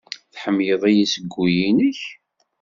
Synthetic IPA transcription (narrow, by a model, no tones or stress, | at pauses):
θħəmːjəðˤæjisəɡʷːujinəç